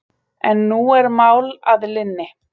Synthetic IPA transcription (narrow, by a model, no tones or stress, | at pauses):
ɛnːuɛɾmaːwlaðlɪnːɪ